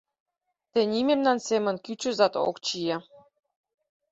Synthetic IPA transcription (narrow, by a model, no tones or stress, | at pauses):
t̪ĕnʲimemnɑnsemə̆nkyt͡ɕøzɑt̪o̰kt͡ɕije